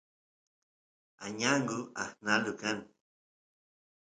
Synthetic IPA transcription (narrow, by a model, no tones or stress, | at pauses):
aɲaŋɡʊa̰hnalʊkan